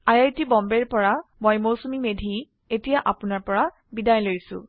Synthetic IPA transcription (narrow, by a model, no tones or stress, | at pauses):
ajajtibɔmbɛɹpɔɹamojmowsumimedʱi | etijaʔapʊnaɹpɔɹa | bidajlojsʊ̰̃